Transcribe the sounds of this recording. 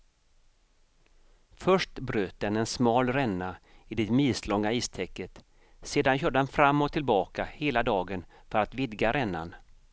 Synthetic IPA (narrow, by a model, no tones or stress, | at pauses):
fœʂʈbɾøːt̪̚d̪ɛnɛnsmɑːlɾɛnːaɪd̪ɪt̪miːslɔŋːaiːst̪ʰɛkːət̪ | seːd̪anɕœːɖəd̪ɛnfɾamːɔt̪ʰɪlbɑːkaheːlad̪ɑːɡən | fœɾat̪vɪd̪ɡaɾʔɛnːa̰n